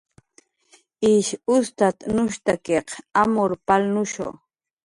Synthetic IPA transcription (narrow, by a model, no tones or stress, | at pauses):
iʃʊst̪at̪nʊʃt̪akeqamoɾpalnʊʃo̰